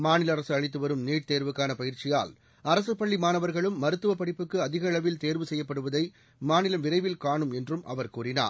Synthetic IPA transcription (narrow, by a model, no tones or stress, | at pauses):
maːnɪlɐɐɾɐsɯɐɻɪt̪ːɯʋɐɾɯmniːʈ̚t̪eːɾʋɯkːaːnɐpɐjɪɾt͡ʃɪja̰ːl | ɐɾɐsɯpːɐɭːimaːnɐʋɐɾɣɐɭɯmːɐɾɯt̪ːɯʋɐpɐɽɪpːɯkːɯɐðɪɣɐɭɐʋɪlt̪eːɾʋɯsɛjːɐpːɐɽɯʋɐðɐɪ | maːnɪlɐmʋɪɾɐɪʋɪlkaːɳɯmɛndrɯmʔɐ̰ʋɐɾkuːɾɪna̰ːɾ